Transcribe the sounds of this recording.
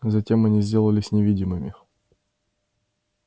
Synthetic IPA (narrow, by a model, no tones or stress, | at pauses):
zɐtʲe̞mɐnʲizʲdʲe̞lˠəlʲɪsʲnʲɪvʲidʲɪmɨmʲɪ